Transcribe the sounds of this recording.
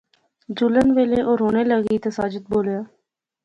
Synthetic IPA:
d͡ʒulənʋeːleːʔoːɾɦoːneːləɡiːt̪esaːd͡ʒət̪̚boːljaː

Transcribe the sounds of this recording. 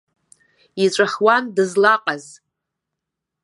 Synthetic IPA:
it͡ʃʷʼaχwandɨzlaqʼaz

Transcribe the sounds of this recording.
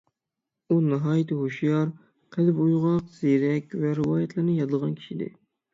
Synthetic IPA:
unɨɦɑːjɪt̪ʰɨɦoʃjɑɾ | qʰɛd̪ɪpujʁɑqz̥eɾɛkʲvɛɾɨwɑːjɛt̪ʰlˠɨɾnɨjɑd̪ɨlˠʁɑnkʲʰi̥ʃid̪ɪ̰

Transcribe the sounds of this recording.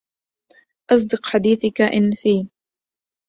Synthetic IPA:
ʔɑs̬ˤd̪ɨqħad̪iːθkaʔɪnːfiː

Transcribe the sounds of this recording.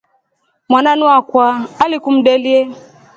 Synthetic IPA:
mwananũakwaalikum̩delie

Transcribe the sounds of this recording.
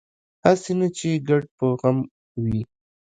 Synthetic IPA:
hasenat͡ʃeɡaɖ̚pəɣam | wi

